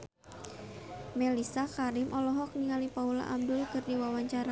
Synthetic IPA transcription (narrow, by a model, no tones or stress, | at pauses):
melisakaɾɪmʔɔlɔɦɔk̚niŋalipaula̰ʔamdʊlkɨrdiwawaɲt͡ʃaɾa